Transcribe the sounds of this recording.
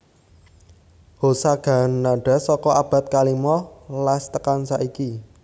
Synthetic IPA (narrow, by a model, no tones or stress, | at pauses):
hosaɡ̥a̤nːaɖ̥a̤sɔkɔab̥a̤t̪̚kalimɔlast̪əkansaʔiki